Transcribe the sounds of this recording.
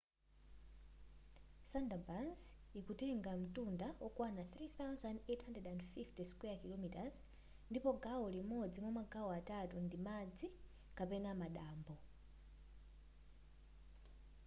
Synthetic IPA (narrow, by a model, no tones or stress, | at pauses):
sandabanzikutɛŋɡam̩tundawʔɔkwanaθɾiθawzandethandrɛdandfiftɛskwɛakilɔmitaz | ndipɔɡaɔlimɔd͡zimɔmaɡaɔatatundimad͡zi | kapɛnamaɗaːmbɔ